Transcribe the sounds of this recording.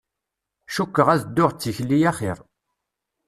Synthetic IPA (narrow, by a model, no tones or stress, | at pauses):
ʃukːəʁæzd̪ːʊʁt͡sːiçlːijæχɪ̰ɾ